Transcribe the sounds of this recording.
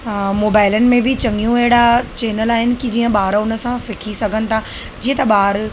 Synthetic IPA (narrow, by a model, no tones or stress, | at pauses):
moːbaːɪlənɪ̆mẽbɪt͡ɕɐ̃ŋɡjũɛɦɪɽat͡ɕeːnəlaːɦɪnɪ̆kid͡ʑiːə̃ɓaːɾʊnə̆sãsɪkʰisɐɡʱənɪ̆t̪ʰa | d͡ʑiːə̃t̪ɐɓaːɾ